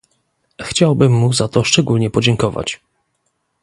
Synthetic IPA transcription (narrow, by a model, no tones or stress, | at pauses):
xt͡ɕawbɘmːuzat̪ɔʂt͡ʂɛɡulɲɛpɔd͡ʑɛŋkɔva̰t͡ɕ